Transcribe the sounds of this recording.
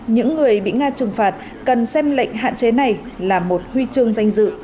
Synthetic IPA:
ɲɨ̰˧˥ŋːɨ˨˩əjɓḭ˧˨ŋaː˧t͡ɕɨ˨˩ŋfaː˨˩t̚ | kə˨˩nsɛ˧mlə̰˧˨ŋ̟ɦa̰ː˧˨nt͡ɕe˨˦na˨˩j | laː˨˩mo˨˩t̚hwi˧t͡ɕɨ˧əŋza˧jŋ̟zɨ̰˧˨

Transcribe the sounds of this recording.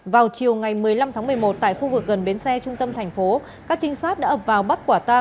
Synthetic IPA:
vaː˨˩wt͡ɕi˨˩əwŋa˨˩jmɨ˨˩əjla˧mt̪ʰaː˨˦ŋmɨ˨˩əjmo˨˩t̚t̪a̰ː˧˨jxu˧vɨ˨˩k̚ɣə˨˩nɓe˨˦nsɛ˧t͡ɕʊ˧ŋ͡mt̪ə˧mt̪ʰɛ˨˩ŋ̟fo˨˦ | kaː˦˥k̚t͡ɕï˧˦ŋ̟saː˦˥t̚ɗaː˧˦ʔəː˨˩p̚vaː˨˩wɓə˦˥t̚kwaː˧˩t̪aː˧

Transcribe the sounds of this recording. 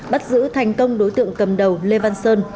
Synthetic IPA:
ɓa˦˥t̚zɨ̰˧˥t̪ʰa˨˩jŋ̟kə˧wŋ͡mɗo˨˦jt̪ɨ̰˧˨əŋkə˨˩mɗə˨˩wle˧vaː˧nsəː˧n

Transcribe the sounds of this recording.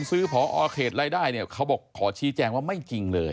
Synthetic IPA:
nsɯː˦˥˩pʰɔː˩˦ʔɔː˧kʰeː˨˩t̪̚ɾaː˧˥jdaː˥˩jni˧˥˩ɐkʰa˦˥wbɔː˨˩kʰːɔː˩˦t͡ɕʰiː˨˦˥t͡ɕɛː˧ŋwaː˥˩ma˥˩jt͡ɕi˧ŋlɤː˧j

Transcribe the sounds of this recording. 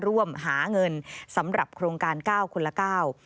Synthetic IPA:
ɾu˥˩əmɦaː˩˦ŋɤ˧nsa˩˦mɾa˨˩p̚kʰɾoː˧ŋkaː˧nkaː˥˩wkʰu˧nla˧kaː˥˩w

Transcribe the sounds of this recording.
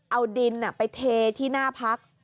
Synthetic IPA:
ʔa˧wdi˧nʔa˨˩pa˧jt̪ʰeː˧t̪ʰiː˥˩naː˥˩pʰa˦˥k̚

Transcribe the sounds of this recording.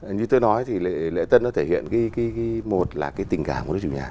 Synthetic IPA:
ɲɨ˧t̪o˧jnɔ˨˦jt̪ʰi˨˩lḛ˧˨lḛ˧˥t̪ə˧nɔ˨˦t̪ʰe˧˩hḭ˧˨ənki˨˦ki˨˦kːmo˨˩t̚laː˨˩kaː˨˦jt̪ï˨˩ŋkaː˧˩m˨˩˨ə˦˥t͡ɕṵ˧˩ɲa̰ː˨˩

